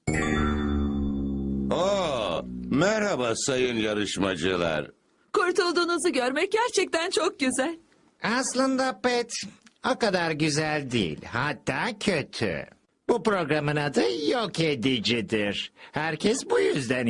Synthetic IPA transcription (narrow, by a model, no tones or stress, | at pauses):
o | mæɾhabasajɯnjaɾɯʃmad͡ʒɯlˠa̰ɾ | kʰuɾt̪ʰulˠd̪uːnuzuɟøɾmɛc̚ɟæɾt͡ʃʰɛc̚t̪ʰænt͡ʃʰok̚ɟyzælʲ | aslˠɯnd̪apːɛt̪okad̪aɾɟyzælʲd̪ḭːḭlʲhat̪ʰːaːcʰø̞t̪ʰy̰ | bupɾo̞ɡɾamɯnad̪ɯjoked̪id͡ʒid̪iɾ̥hæɾcʰɛsbujyzd̪æn